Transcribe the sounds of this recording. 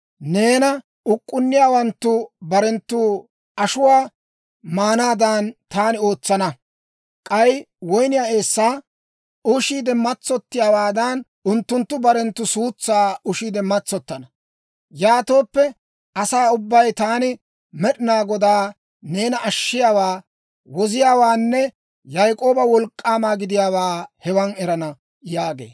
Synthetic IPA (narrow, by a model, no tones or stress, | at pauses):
ne̞ːnɐ | ʊkʼːʊnːɪjaːwɐnt̪ːʊbɐɾɛnt̪ːu | ɐʃʊwaː | maːnaːd̪ant̪aːnɪo̞ːt͡sːɐnɐ | kʼɐj | wɔjnɪjaːe̞ːsːaː | ʊʃiːd̪ɛmɐt͡sːɔt̪ːɪjaːwaːd̪ɐn | ʊnt̪ːʊnt̪ːʊbɐɾɛnt̪ːʊsuːt͡sːaːʊʃiːd̪ɛmːɐt͡sːɔt̪ːɐnɐ | jaːt̪o̞ːpːɛ | ɐsaːʊbːɐjt̪aːnɪ | mɛɗɪnaːɡɔd̪aː | ne̞ːnɐʔɐʃːɪjaːwaː | wɔzɪjaːwaːnːɛ | jɐjkʼo̞ːbɐwɔlkʼːaːmaːɡɪd̪ɪjaːwaːhɛwɐnɛɾɐnɐ | jaːɡe̞̰ː